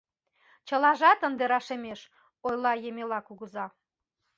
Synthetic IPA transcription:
t͡ɕəlɑʒɑt̪ənd̪eɾɑʃemeʃ | ojlɑjemelɑkuɣəzɑ

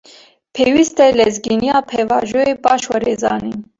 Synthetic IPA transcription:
pʰeːwist̪ɛlɛzɡinijɑːpʰɛvɑːʒoeːbɑːʃwɛɾeːzɑ̰ːnin

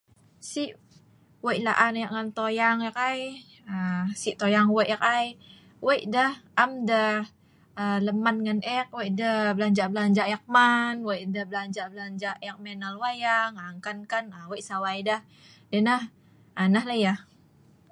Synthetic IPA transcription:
siʔ | wəjlaʔanajaʔ̚ŋant̪ojaŋak̚aj | əsiʔt̪ojaŋweʔak̚aj | wejʔdəhʔamdə | ələman̚ŋanʔɛk̚wejʔdəblaɲd͡ʒabəlaɲd͡ʒaʔjak̚manwəjdəhbəlaɲd͡ʒablaɲd͡ʒajak̚mɛnalwajaŋaŋkankanaweʔsawajdəh | dənəh | anahləjah

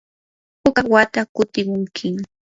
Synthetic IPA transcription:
pʊkawat̪akʊt̪ɪmʊŋkʰɪŋ

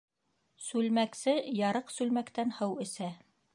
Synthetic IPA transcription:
sʉlmæksɘjɑɾɤqsʉlmækt̪ænhɤwɘ̆sæ

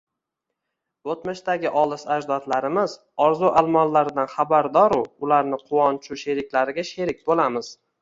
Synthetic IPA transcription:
ot̪mɪʃt̪aɡʲɪʔɒlˠɪsad͡ʒd̪ɒt̪laɾɪmɪz | ɒɾzuʔalˠmɒlːaɾɪd̪anχabaɾd̪ɒɾʊʊlaɾnɪqʰʊwɒnt͡ʃʰʊʃe̞ɾɪkʲlaɾɪɡʲaʃe̞ɾɪk̚ʲbolamɪz̥

